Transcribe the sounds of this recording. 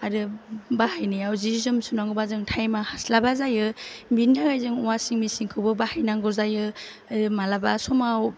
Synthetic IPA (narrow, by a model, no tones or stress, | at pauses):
adɯbahajnijawzizɯmsunaŋɡobazɯŋtʰajmahaslabazajɯbindʰaɡajzɯŋɔwasiŋmisiŋkʰɯwbɯbahajnaŋɡɔzajɯ | adɯmalabasɔmaw